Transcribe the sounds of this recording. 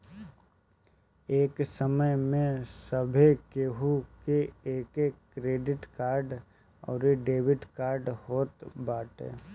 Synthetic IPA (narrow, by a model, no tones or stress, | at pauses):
eːksəməjmẽsəbʱekeːɦukeeːkeːkkːɾeːɖɪʈkaːɾɖ | ɔ̰ːɾeɖeːʋɪɖkaːɾɖhoːt̪baːʈḛː